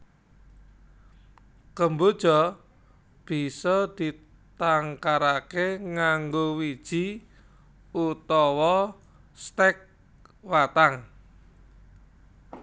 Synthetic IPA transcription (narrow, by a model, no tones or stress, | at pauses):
kəmbod̥ʒ̥ɔ | b̥i̤sɔd̪̥i̤ | t̪aŋkaɾakeŋaŋɡowid̥ʒ̥i | ut̪ɔwɔ | st̪ɛk̚ | wat̪aŋ